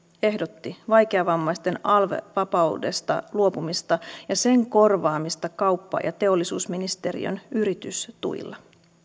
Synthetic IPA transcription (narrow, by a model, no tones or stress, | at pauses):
e̞hdo̞t̪ːiʋɑjkeɑʋɑmːɑjst̪e̞nɑlʋḛʋɑpɑwde̞̰st̪ɑ̰luo̞pumist̪ɑjɑse̞ŋko̞rʋɑːmist̪ɑkɑwpːɑ̰jɑ̰t̪e̞o̞lːisuːsminist̪e̞rḭø̰nyɾit̪yst̪ṵj̰lːɑ